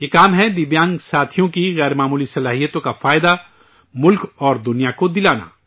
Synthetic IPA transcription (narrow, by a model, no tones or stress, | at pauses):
jekaːmɦɛd̪ɪbjãːŋɡsaːt̪ʰijõkiɣɛːɾmaːmuːlisɐlaːɦijət̪õkafaːjd̪a | mʊlkɔːɾd̪ʊnijakod̪ɪlaːna̰ː